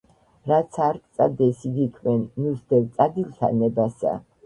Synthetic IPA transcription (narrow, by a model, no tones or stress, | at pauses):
ɾat̪sʰaɾkʼt̪sʼa̰d̪ɛsiɡ̪ikʰvɛnːusd̪ɛlt̪sʼad̪ilt̪ʰa̰nɛbasa̰